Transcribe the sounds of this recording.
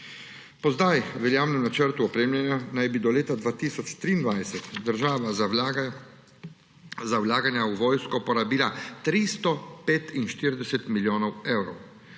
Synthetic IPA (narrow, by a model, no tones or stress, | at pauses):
pɔzd̪ajʋɛljaːwnɛmnat͡ʃəɾt̪uɔpɾeːmljanjanajbid̪ɔleːt̪ad̪ʋaːt̪iːsɔt͡ʃt̪ɾiːnd̪ʋajsɛt̪d̪əɾʒaːʋa | zawlaːɡanjauʋɔːjskɔpɔɾabiːlat̪ɾist̪ɔpeːt̪inʃt̪iɾd̪ɛsɛt̪miljoːnɔwewɾɔw